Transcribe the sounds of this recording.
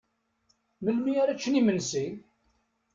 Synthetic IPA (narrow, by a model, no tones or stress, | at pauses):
məlmiaɾat͡ʃːənimənsi